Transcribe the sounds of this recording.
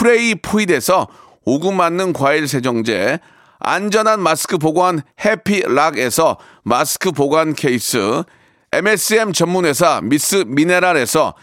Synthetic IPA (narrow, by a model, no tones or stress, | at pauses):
pʰɯɾeipʰuide̞sʰʌ | oɡumanːɯnkwaiɭsʰe̞d͡ʑʌŋd͡ʑe̞̰ | a̰nd͡ʑʌnɦanmasʰɯ̥kʰɯboɡwanhe̞pʰiɭaɡe̞sʰʌ | masʰɯ̥kʰɯpoɡwankʰe̞is͈ʰɯ̰ | emes͈ɯemt͡ɕʌmːune̞s̬ʰamis͈ɯmine̞ɾaɾe̞sʰʌ̰